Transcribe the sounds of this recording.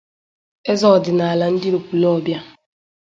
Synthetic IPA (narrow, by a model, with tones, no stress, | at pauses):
e˦zɔ˨dɪ˨na˨a˨la˨n̩˦dɪ˦ɾo˨ku˨lɔ˦˨bja˦